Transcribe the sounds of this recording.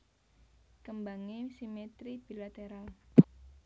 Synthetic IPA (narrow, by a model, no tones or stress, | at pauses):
kəmbaŋesimet̪ɾib̥i̤lat̪eɾal